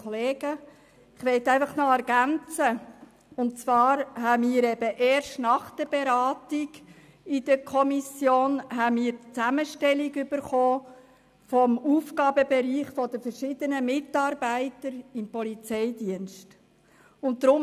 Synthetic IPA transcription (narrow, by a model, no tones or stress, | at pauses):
ɔleːɡə | ɪχʋɛɪt̪æɪfɑχnoɛɾɡ̥ænt͡sə | ʊnt̚t͡svɑːɾɦæmiːɾɛbəʔɛːɾʃtnɑχd̥əbeɾɑːtiɡ̥ | ɪd̥̪əɾkʰɔmisjoːnɦæmiːɾtt͡sæməʃtɛliɡʏb̥əɾχoː | fɔmuːfɡɑːbəbɛɾiːχfɔd̪əfəɾʃɪd̥̪ənəmɪtɑːɾbæɪtəɾɪmpɔlit͡sɛɪdiənst | ʊntdɾʊm